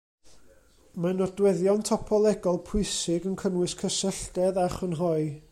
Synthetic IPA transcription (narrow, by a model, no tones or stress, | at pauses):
manɔdwɛðjɔntʰɔpʰɔlˠɛɡɔlˠpʰʊɨsɪɡənkʰənwɪskʰəsəɬdɛðaχənɦɔɨ